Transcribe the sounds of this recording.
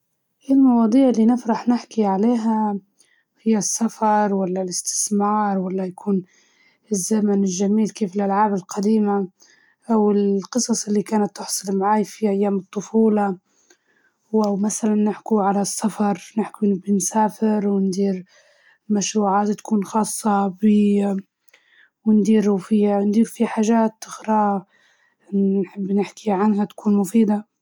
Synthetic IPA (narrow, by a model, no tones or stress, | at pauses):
ʔilmɑwɑːd̪ˤiːʕɪlːinɪfɾɑħnɪħkiʕaleːɦa | hɪjːasːafɑɾˤwalːalɪst̪ɪ̥smɑːɾˤwalːajakʰuːn | ɪzːamanɪlʒamiːlkeːfɪlʔalʕaːbɪlqʰad̪iːma | ʔawɪlqɨsˤɑsˤʔɪlːikaːnat̪ːʊħsˤɑlmaʕaːjfiʔajːaːmɨt̪ˤːʊfuːlɑ | wʔawmasalanːɪħkuʕalasːafɑɾˤnɪħkunbɪnsaːfɪɾwɪnd̪iːɾ | maʃɾuːʕaːt̪t̪ḁkuːnxɑːsˤːɑbɪ | wɪnd̪iːɾufiand̪iːɾfiħaːʒaːt̪ːɪxɾɑː | ħɪbːnɪħkiʕanɦat̪ḁkuːnmʊfiːd̪a